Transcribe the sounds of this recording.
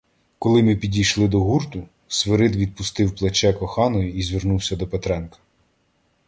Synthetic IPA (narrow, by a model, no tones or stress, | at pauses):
kɔlˠɪmɪpʲidʲijʃlˠɪd̪ɔɦurt̪ʊ | sʋeɾɪd̪ʋʲid̪̚pʊst̪ɪwplˠɐt͡ʃɛkɔxɑnɔjʊizʲʋʲernuwsʲɐd̪ɔpet̪ɾɛnkɐ̥